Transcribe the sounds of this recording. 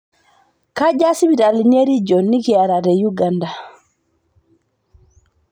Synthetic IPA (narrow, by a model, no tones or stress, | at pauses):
kad͡ʒasibitalineɾid͡ʒɔnːiɡiaɾaɾɛjuɡanda